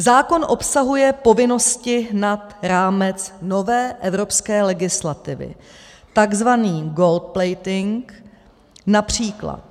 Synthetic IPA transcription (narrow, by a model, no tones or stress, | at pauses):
zaːko̞nʔo̞psaɦujɛpo̞vɪno̞scɪɦnat̪ɾaːmɛt͡sno̞vɛːʔɛvɾo̞pskɛːlɛɡɪslat̪ɪvɪ̰ | t̪aɡzvaniːɡolt̪̚plɛjt̪ɪŋk | napr̝̥iːkla̰t̪̚